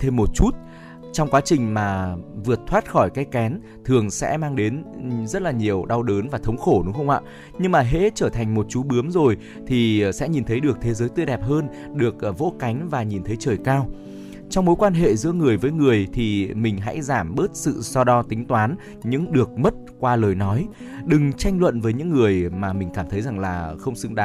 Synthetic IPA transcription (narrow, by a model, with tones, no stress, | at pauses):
t̪ʰe˧mːo˨˩t̚t͡ɕu˦˥t̚ | t͡ɕɔ˧wŋ͡mkwaː˨˦t͡ɕï˨˩ŋ̟maː˨˩vɨ˨˩ət̚t̪ʰwaː˦˥t̚xɔ˧˩jkaː˨˦jkɛ˨˦n | t̪ʰɨ˨˩əŋsɛ̰˧˥maː˧ŋɗe˨˦nzə˦˥t̚laː˨˩ɲi˨˩əwɗa˧wɗəː˨˦nvaː˨˩t̪ʰə˨˦wŋ͡mxo˧˩ɗʊ˨˦ŋ͡mxə˧wŋ͡mʔa̰ː˧˨ | ɲɨ˧ŋmaː˨˩ɦḛ˧˥t͡ɕəː˧˩t̪ʰa˨˩jŋ̟mo˨˩t̚t͡ɕu˨˦˥ɓɨ˨˦əmzo˨˩j | t̪ʰi˨˩sɛ̰˧˥ɲi˨˩nt̪ʰə˨˦jɗɨ˨˩ək̚t̪ʰe˨˦zəː˨˦jt̪wɨ˧jɗɛ˨˩p̚ɦəː˧n | ɗɨ˨˩ək̚vo̰˧˥ka˨˦jŋ̟vaː˨˩ɲi˨˩nt̪ʰə˨˦jt͡ɕəː˧˩jkaː˧w | t͡ɕɔ˧wŋ͡mmo˨˦jkwaː˧nɦḛ˧˨zɨ̰˧˥əŋɨ˨˩əjvəː˨˦jŋɨ˨˩əjt̪ʰi˨˩mï˨˩ŋ̟ɦa̰˧˥jzaː˧˩mɓəː˦˥t̚sɨ̰˧˨sɔ˧ɗɔ˨˦t̪ï˨˦ŋt̪waː˨˦n | ɲɨ̰˧˥ŋɗɨ˨˩ək̚mə˦˥t̚kwaː˧ləː˨˩jnɔ˨˦j | ɗɨ˨˩ŋt͡ɕa˧jŋ̟lwə̰˧˨nvəː˨˦jɲɨ̰˧˥ŋːɨ˨˩əjmaː˨˩mï˨˩ŋ̟kaː˧˩mt̪ʰə˨˦jza˨˩ŋlaː˨˩xə˧wŋ͡msɨ̰˧ŋɗaː˨˦